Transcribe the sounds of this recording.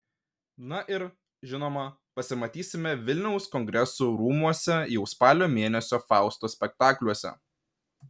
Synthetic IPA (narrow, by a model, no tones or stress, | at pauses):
nɐʔɪɾ | ʒʲɪnoːmɐ | pɐsʲɪmɐt̪ʲiːsʲɪmʲɛʋʲɪlʲnʲɛʊskɔŋʲɡɾʲɛsuːɾuːmuɔsʲɛjɛʊspɑːlʲoːmʲeːnʲɛsʲoːfɑˑʊst̪oːsʲpʲɛk̚t̪ɑːklʲuɔsʲɛ̰